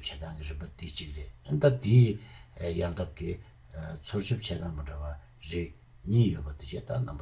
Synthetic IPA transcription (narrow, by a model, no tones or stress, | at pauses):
t͡ɕʰet̪aŋkirəpat̪it͡ɕik̚reɦənt̪at̪i | jaŋt̪ap̚ki | t͡sʰot͡ɕʰop̚t͡ɕʰet̪aŋməɳɖ͡ʐawa | reʔ̚ | ɲiːjøʔpat̪et͡ɕʰet̪anaba